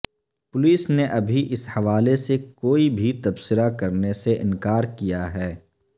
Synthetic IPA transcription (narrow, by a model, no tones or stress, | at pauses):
pʊliːsneʔɐbʱiʔɪshɐʋaːlesekoːibʱit̪ɐbsɪɾakɐɾneseʔɪ̰̃nkaːɾkijaɦɛː